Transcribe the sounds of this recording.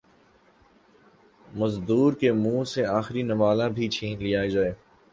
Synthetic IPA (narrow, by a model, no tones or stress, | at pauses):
mɐzd̪uːɾkemũːseaːxɾinɐmaːlãbʱit͡ʃʰiːnlijaːed͡ʒaːeː